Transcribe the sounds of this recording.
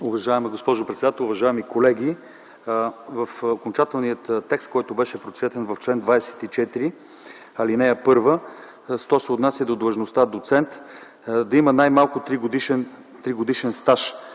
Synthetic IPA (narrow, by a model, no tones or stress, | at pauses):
ʊvɐʒaɛmɛɡospɔʒopɾɛt̪sd̪at̪ɛlˠʊvɐʒaɛmikolɛɡ̟ʲi | vɐfokont͡ʃat̪ɛlˠnijət̪t̪ːɛkst̪̚kɔjt̪ʊbɛʃɛpɾot̪svɛt̪ɛnvɐft͡ʃlɛnd̪vajɛsɛ̥t̪it͡ʃɛt̪iɾi | ɐlinɛɛpɤɾvə | st̪ɔsɛot̪nasʲjəd̪od̪lˠəʒnost̪ad̪ot̪sɛnt̪ | d̪ɐimənajmalˠkʊt̪ɾiɡod̪iʃɛn | t̪ɾiɡod̪iʃɛnst̪aʃ